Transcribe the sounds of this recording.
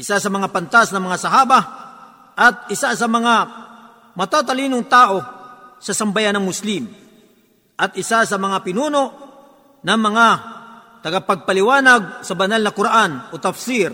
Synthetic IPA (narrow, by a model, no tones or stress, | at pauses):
ʔɪsasɐmɐŋapant̪asnɐŋmɐŋasaɦaːba | ʔɐt̪̚ɪsasɐmɐŋa | mɐt̪at̪alinʊŋt̪aːʔo̞sɐsɐmbajanɐŋmʊslim | ʔɐt̪̚ʔɪsas̬ɐmɐŋapɪnuːnoʔ | nɐŋmɐŋa | t̪ɐɡapɐɡ̚palɪwaːnaɡ̚sɐbɐnalnɐkʊɾaʔanot̪ɐfsiɾ